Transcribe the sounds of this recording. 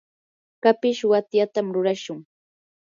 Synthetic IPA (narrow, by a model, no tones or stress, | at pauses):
kapɪʃwat̪jat̪amɾʊɾaʃʊŋ